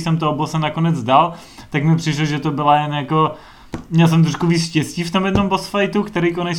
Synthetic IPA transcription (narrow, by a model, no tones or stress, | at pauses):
sɛmt̪oobosɛnakonɛd͡zdal | t̪akmɪpr̝̥ɪʃloʒɛt̪obɪlajɛnjako | mɲɛls̬ɛmt̪ɾoʃkuviːt͡sʃcɛsciːft̪omjɛdno̞mbosfajt̪ukt̪ɛɾejkonɛ